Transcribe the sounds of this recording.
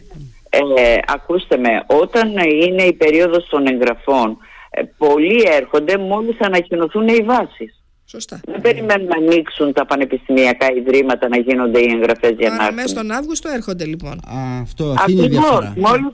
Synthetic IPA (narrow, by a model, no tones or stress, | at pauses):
eɐ̰kust̪e̞me̞ʔo̞t̪ɐnine̞ipe̞ɾio̞ðo̞st̪o̞ne̞ŋɣɾɐfo̞n̰po̞lie̞ɾxo̞nd̪e̞mo̞list̪ɐnɐcino̞θuneivɐsis | sost̪ðebe̞ɾime̞nunɐniksunt̪ɐpɐne̞pist̪imiɐkɐiðɾimɐt̪ɐnɐʝino̞nd̪e̞ie̞ŋɣɾɐfe̞zʝɐnɐonɐvɣust̪oeɾxond̪elipo̰nft̪ɐɾivosmo̞li